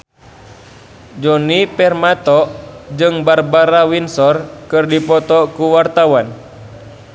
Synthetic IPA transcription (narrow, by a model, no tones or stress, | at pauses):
d͡ʒɔnipɛrmat̪ɔʔd͡ʒɨŋbarbaɾawinsɔrkɨrdipɔt̪ɔkuwart̪awan